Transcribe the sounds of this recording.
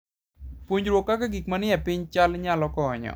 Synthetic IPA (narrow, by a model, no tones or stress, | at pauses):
puɲd͡ʒɾwokːakaɡikmanɪjɛpɪɲt͡ʃalɲalɔkɔːɲɔ̰